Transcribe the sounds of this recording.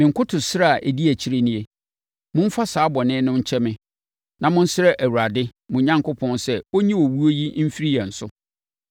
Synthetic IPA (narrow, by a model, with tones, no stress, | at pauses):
mɪ̃˨ŋ̩˨kʰʊ˦tʰʊ˨sɪ˦ɾa˦˨a˨ʔæ˨di˦æ˨t͡ɕʰi˦ɾe˦nĩ˦e˦ | mʊ̃˦m̩˦fa˦saː˨˦bɔ˨nɪ̃˦nʊ̃˦ɲ̩˦t͡ɕʰɛ˦mɪ̃˨ | nã˨mʊ̃˦n̩˦sɪ˦ɾɛ˦ʔæ˨wu˨ɾa˨dɪ˦mʊ̃˨ɲã˦ŋkʊ˦pʰɔ̃˦nsɛ˦˨wo˦ɲĩ˦wo˨wu˦o˦ji˦m̩˦fi˦ɾi˦jɛ˨n̩˨sʊ˦